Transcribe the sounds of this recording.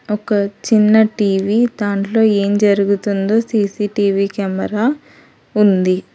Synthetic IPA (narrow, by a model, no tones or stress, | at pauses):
ɔkɐt͡ʃinːɐʈiːʋiːd̪aːɳʈlo̞ːe̞ːmd͡ʒɐɾuɡut̪und̪o̞ːsiːsiːʈiːʋiːkɛmɐɾaː | und̪i